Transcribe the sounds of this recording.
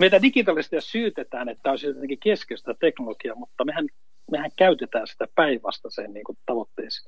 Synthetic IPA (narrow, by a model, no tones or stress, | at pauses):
meit̪ædikit̪ɑlːˑist̪ijɑsyːt̪et̪æːnet̪ːæoset̪ːekikeskest̪æt̪eknolokiɑmut̪ːɑmehæn | mehæŋkæyt̪et̪æːnsi̥t̪æpæiʋʋɑ̰st̪ɑsenniːŋkut̪ɑʋot̪ːeisi̥